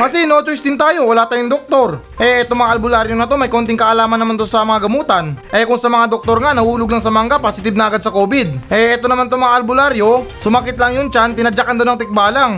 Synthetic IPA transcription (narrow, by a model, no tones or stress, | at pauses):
kɐsɛnot͡ʃoʔɪsd̪ɪnt̪aːjo̞wɐlaːt̪aːjʊŋd̪ok̚t̪o̞ɾ | ʔɛʔɛt̪oŋmɐŋaʔɐlbʊlaɾjonɐt̪o̞mɐjko̞nt̪̬ɪŋkɐʔɐlaːmɐnːɐmant̪o̞sɐmɐŋaɡɐmuːt̪ɐnʔɛkʊŋsɐmɐŋad̪ok̚t̪o̞ɾŋanɐhuːlʊɡ̚lɐŋsɐmaŋɡaposɪt̪ɪb̚nɐʔɐɡad̪sɐkoːbɪd̪̚ʔɛʔɛt̪o̞nɐmant̪omɐŋaʔɐlbʊlaɾjo̞sʊmakɪt̪lɐŋjʊnt͡ʃant̪ɪnɐd͡ʒakɐnd̪onɐŋt̪ɪk̚baːlaŋ